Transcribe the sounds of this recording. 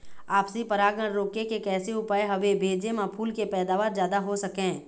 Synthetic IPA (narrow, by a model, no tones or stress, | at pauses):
aːpsipɐɾaːɡəɾːoːkekekɛːseʊpaːjɦɐʋebʱeːd͡ʒemãpʰuːlkepɛːd̪aːʋaːɾzjaːd̪aɦosɐkẽː